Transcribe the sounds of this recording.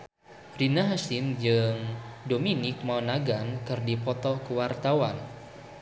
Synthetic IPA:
rinaɦasind͡ʒɨŋdominɪk̚maɔnaɡankɨrdipɔt̪ɔkuwart̪awan

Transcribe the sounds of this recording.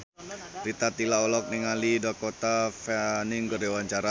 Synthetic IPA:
rit̪at̪ilaɔlɔk̚niŋalidakot̪afanɪŋkərdewaɲt͡ʃaɾa

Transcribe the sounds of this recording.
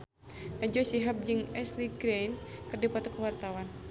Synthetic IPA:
nad͡ʒɔsiɦap̚d͡ʒɨŋɛsliɡɾejnkɨrdipat̪ɔkəwart̪awan

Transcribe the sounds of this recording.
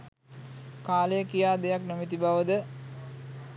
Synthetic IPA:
kaːləjəkijaːd̪ejaknomit̪ibaʋəd̪ə

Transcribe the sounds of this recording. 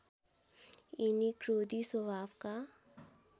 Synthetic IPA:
inikɾoːd̪iswɐʋaːfka

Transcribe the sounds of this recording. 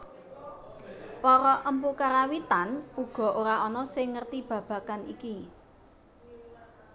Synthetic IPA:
pɔɾɔʔəmpukaɾawit̪anuɡ̥ɔ̤ʔoɾaʔɔnɔsɪŋːərt̪ib̥ä̤b̥ä̤kaniki

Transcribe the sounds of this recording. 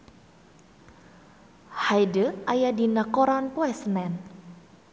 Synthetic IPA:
hajdəajadinakɔɾanpoɛsənɛn

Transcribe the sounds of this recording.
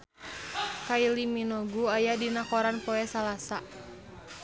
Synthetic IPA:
kailiminɔɡuajadinakɔɾanpɔɛsalasa

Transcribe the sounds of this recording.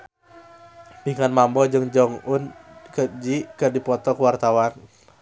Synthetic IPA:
piŋanmambɔd͡ʒɨŋd͡ʒɔŋʊnkəd͡ʒikədipɔt̪ɔkuwart̪awan

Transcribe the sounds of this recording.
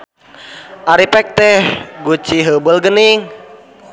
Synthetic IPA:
ʔaɾipɛk̚t̪ɛhɡut͡ʃiɦəbəlɡəniŋ

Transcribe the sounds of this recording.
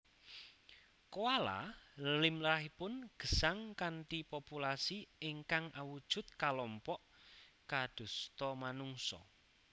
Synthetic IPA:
kowala̰limlɾaɦipʊnɡ̥ə̤saŋkanʈipopulasieŋkaŋʔawud̥ʒ̥ṳt̪̚kalɔmpɔʔkad̪̥ṳst̪ɔmanuŋsɔ̰

